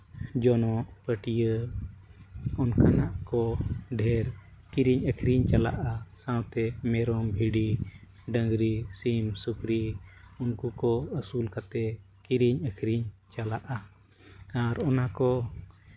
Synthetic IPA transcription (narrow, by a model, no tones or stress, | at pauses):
d͡ʒɔnɔʔpəʈijə | ɔnkʰanaʔkɔɖʱɛɾ | kiɾiɲəkʰɾiɲt͡ʃala̰ʔasãwt̪ɛmɛɾɔmbʱiɖi | ɖə̃ŋɡɾisimsukɾiunkukɔəsulkat̪ɛ | kiɾiɲəkʰɾiɲt͡ʃalaʔa | aɾɔnakɔ